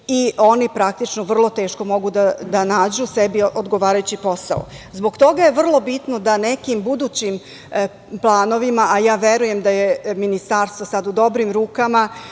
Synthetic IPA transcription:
io̞nipɾak̚t̪it͡ʃnoʋr̩lˠo̞t̪e̞ːʃko̞mo̞ɡud̪ad̪anaːd͡ʑusebiʔod̪ɡo̞ʋaːɾajut͡ɕipo̞sa̰o̰zbo̞kt̪o̞ɡaje̞ʋr̩lˠo̞bit̪no̞d̪ane̞kimbud̪uːt͡ɕim | plˠaːno̞ʋimaʔajaːʋeɾuje̞md̪aje̞minist̪aːɾst̪ʋosad̪ud̪o̞bɾimɾuːkama

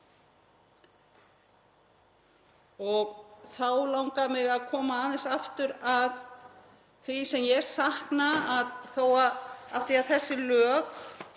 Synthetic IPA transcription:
ɔɣθawlawŋkamɪɣaðkʰɔːmaaðɪnsaft̪ʏɾað | θisɛmjɛɾ̥sahknaaðθowaafθiaðθɛsːɪlœːk

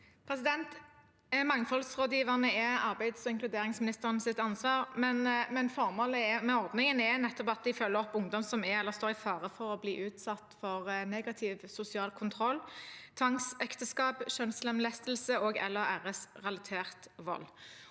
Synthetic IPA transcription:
pʰɾɛsɪd̪ɛnt̪ | mɑŋfɔlsʁoːd̪jiːʋəʁnəɛɑʁbæɪd̪sɔɪŋklʉd̪eːɾɪŋsmɪnɪst̪əʁənəsɪt̪ːɑnsʋɑːʁmɛnmɛnfɔʁmoːləɛmɛɔʁd̪nɪŋənɛnɛt̪ːɔpɑt̪̚d̪ɪfœlːəʁɔpːʊŋd̪ɔmsɔmɛɛlːəʁst̪oːʁɪfɑːʁəfɔʁɔbliːʔʉːt̪sɑt̪ːfɔʁneːɡɑt̪ʰɪːʋsʊsɪɑːlkʰʊnt̪ʰʁɔlːt̪ʰʋɑŋsɛkt̪əskɑːpʃœnslɛmlɛst̪lsəoːɡɛ̰lːəɾæːʁəsʁɛlɑt̪ʰeːʁt̪ʋɔ̰lː

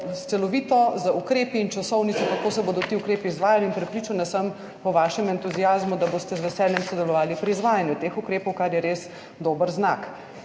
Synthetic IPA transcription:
st̪sɛlɔʋiːt̪ɔzaukɾeːpiːnt͡ʃasɔwnit̪sɔkakoːsɛboːd̪ɔt̪iːukɾeːpiːzʋaːjaliinpɾɛpɾiːt͡ʃanasəm | pɔʋaːʃɛmɛnt̪uzijaːzmud̪aboːst̪ɛzʋɛsɛːljɛmsɔd̪ɛlɔʋaːlipɾiːzʋaːjanjut̪eːxukɾeːpɔwkaɾjɛɾeːs | d̪oːbəɾznak

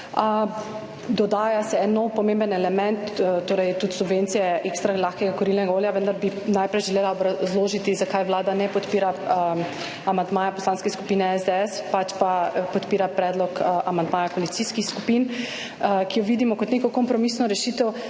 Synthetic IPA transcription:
ə | d̪ɔd̪aːjasɛɛnːɔwpɔmẽmbənɛlɛmɛ̃nt̪t̪oːɾɛjt̪ut̪subʋeːnt̪sijɛʔekst̪ɾalaxkɛɡakɔɾilnɛɡaoːljaʋənd̪aɾbinajpɾɛjʒɛleːlaɔbɾazloːʒit̪izakajʋlaːd̪anɛpɔt̪piːɾa | amand̪maːjapɔslaːnskɛsku̥piːnɛɛzd̪eɛspat͡ʃpapɔt̪piːɾapɾɛːd̪lɔkamand̪maːjakolit̪siːskixskupin | kijɔʋiːd̪imɔkɔt̪neːkɔkɔmpɾɔmisnɔɾɛʃiːt̪ɛw

